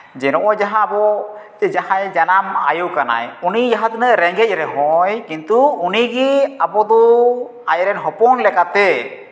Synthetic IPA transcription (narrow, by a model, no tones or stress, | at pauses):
d͡ʒɛnɔʔɔjd͡ʒaɦabɔ | d͡ʒahajd͡ʒanama̰juwkana̰junid͡ʒaɦat̪nəʔɾɛŋɡɛc̚ɾɛɦɔjkint̪uuniɡiabɔd̪ɔ | ajɾɛnɦɔpɔnlɛkat̪ɛ